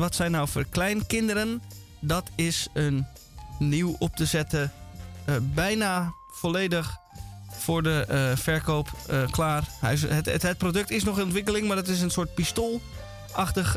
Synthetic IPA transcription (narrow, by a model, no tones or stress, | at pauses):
ʋɑtsɛjnːawfo̰ːɹklɛjnkɪndəɾən | dɑtʰɪsənː | iwɔp̚təzɛtə | bɛjna | folejdəχfʊːɹdəfɛɹkowpklaːrhɛjəttɦət̚prodɵk̚tɪsnɔχənɔntʋɪk̬əlɪŋmaːdətɪs̬ənsʊːɹt̚pistoːlˠ | ʔɑχtəχ